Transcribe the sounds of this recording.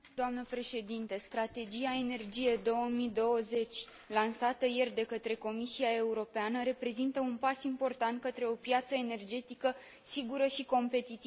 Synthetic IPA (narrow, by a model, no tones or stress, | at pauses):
d̪oamnəpɾe̞ʃe̞d̪int̪est̪ɾat̪e̞d͡ʒiae̞ne̞rd͡ʒije̞d̪o̞wəmid̪o̞wəze̞t͡ʃʲ | lansat̪əje̞rd̪e̞kət̪ɾe̞ko̞misiae̞uɾo̞peanəɾe̞pɾe̞zint̪əunpasimpo̞rt̪ant̪̚kət̪ɾe̞o̞pjat̪səene̞rd͡ʒe̞t̪ikə | siɡuɾəʃiko̞mpe̞t̪it̪i